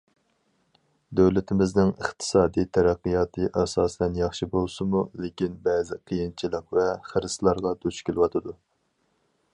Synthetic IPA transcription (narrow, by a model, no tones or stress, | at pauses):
d̪øwlɪt̪ʰɪmɪznɪŋə̰χt̪ʰɨ̥sɑːd̪ijt̪ʰæɾæqːijɑt̪ʰɨʔɛsɑːsɛnjɑχʃibolˠsɨmulekʲinbɛːzɪqʰijint͡ʃʰilˠɨqvɛχəɾɨslˠɑɾʁɑd̪uʃkʲʰelˠɪwɑt̪ʰɨd̪u